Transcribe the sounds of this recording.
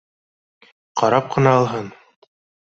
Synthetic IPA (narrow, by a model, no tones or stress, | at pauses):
qɑɾɑp̚qʰɤ̆nɑɑlˠɦɤn